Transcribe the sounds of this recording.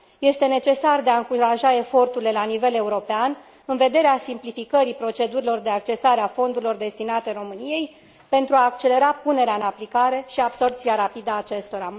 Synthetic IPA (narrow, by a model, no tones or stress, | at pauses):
je̞st̪e̞ne̞t͡ʃe̞sard̪e̞aɨŋkuɾaʒae̞fo̞rt̪uɾile̞lanive̞le̞uɾo̞pean | ɨnve̞d̪e̞ɾeasimplifikəɾipɾo̞t͡ʃe̞d̪uɾilo̞rd̪e̞ak̚t͡ʃe̞saɾeafo̞nd̪uɾilo̞rd̪e̞st̪inat̪e̞ɾo̞mɨnije̞j | pe̞nt̪ɾuaːk̚t͡ʃe̞le̞ɾapune̞ɾeaɨnaplikaɾe̞ʃiabso̞rp̚t̪siaɾapid̪əaːt͡ʃe̞st̪o̞ɾa